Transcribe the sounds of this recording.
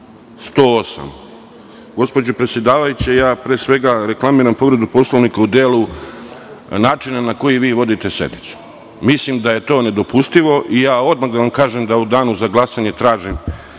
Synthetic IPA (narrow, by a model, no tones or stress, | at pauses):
st̪o̞ːosa̰m | ɡo̞spo̞d͡ʑopɾe̞t̪sje̞d̪aːʋajut͡ɕejaːpɾeːsʋe̞ɡaɾe̞klˠamiːɾampo̞ʋɾe̞d̪upo̞slˠoʋnikaud̪eːlu | naːt͡ʃinanako̞jiʋiːʋo̞d̪it̪e̞se̞̰d̪nit̪su̥ | mislimd̪aje̞t̪o̞ːne̞d̪o̞pust̪iʋo̞ʔijaːo̞d̪maɣd̪aʋamkaːʒemd̪aud̪aːnuzaɡlˠasaɲet̪ɾaːʒim